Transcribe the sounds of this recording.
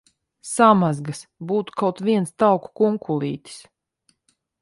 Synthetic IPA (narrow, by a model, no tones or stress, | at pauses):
samazɡasbuːt̪u̥kawt̪viɛnst̪awku̥kuŋkulˠḭːt̪ʲi̥s